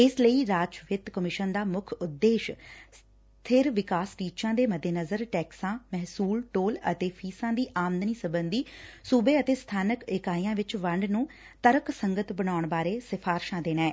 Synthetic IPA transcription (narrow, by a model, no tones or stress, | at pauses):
ɪsləiːɾaːt͡ʃʋɪt̪kəmɪʃənd̪aːmʊkʰʊd̪ːeːʃ | t̪ʰɪɾʋɪkaːsʈiːt͡ʃãːd̪eːməd̪eːnəzəɾʈɛːksãːmɛɦsuːlʈoːlə̰t̪eːpʰiːsãːd̪iːʔaːmnd̪niːsəbənd̪iːsuːbeːət̪eːst̪ʰaːnəkɪkaːijãːʋɪt͡ʃʋəɳɖnũː | t̪əɾəksəŋɡət̪bəɽaːʊɳbaːɾeːsɪpʰaːɾʃãːd̪eːnɛ̃ː